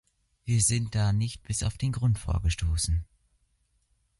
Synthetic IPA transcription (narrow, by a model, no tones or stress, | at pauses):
viːɐzɪnt̚d̥aːnɪçt̚b̥ɪsaʊfd̥eːnɡʁʊntfo̰ːɐɡəʃtoːsn̩